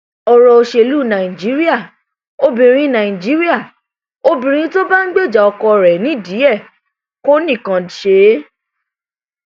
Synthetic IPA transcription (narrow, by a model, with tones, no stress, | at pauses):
ɔ˨ɾɔ˧o˧ʃe˧lu˦˨nã˨ĩ˨d͡ʒi˨˦ɾi˦a˦˨ | o˧bĩ˨ɾ̃ĩ˧˦nã˨ĩ˨d͡ʒi˨˦ɾi˦a˦˨ | o˧bĩ˨ɾ̃ĩ˧˦to˦ba˦n̩˦ɡ͡be˦˨d͡ʒa˨ɔ˧kɔ˧ɾɛ˨nĩ˨˦˨di˨˦ɛ˦˨ | ko˦nĩ˦˨kã˧˨ʃe˨˧˦